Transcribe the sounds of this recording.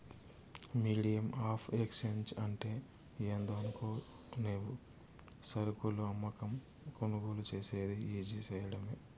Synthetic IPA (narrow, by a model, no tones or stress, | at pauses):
miːɽijɐmaːpʰeksent͡ʃɐɳʈe̞ː | eːnd̪oːɐnukoː | neːʋu | sɐɾukuluɐmːɐkɐm | konuɡuːlut͡ʃe̞ːseːd̪iiːd͡ʒisɐːjɐɽɐmeː